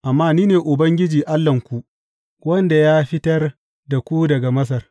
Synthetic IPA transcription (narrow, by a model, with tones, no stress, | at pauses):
ʔa˨mːaː˦niː˦neː˨ʔʊ˨bɐ˦ŋɡʲɪ˦d͡ʒiː˨ʔa˦lːɐ˨ŋkʷu˦˨ʔ | wɐ˦nda˨jaː˦ɸɪ˦tɐ˦r | da˨kʷu˦dɐ˨ɡa˨mɐ˦s̬ɐ˨r